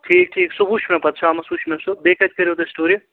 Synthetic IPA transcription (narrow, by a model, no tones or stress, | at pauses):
ʈʰiːk̚ʈʰiːksubuʃmẽpɐt̪̚t͡ʃʰamɐsuʃmẽsubeːkɐt͡ʃkɐɾjot̪esʈoːɾji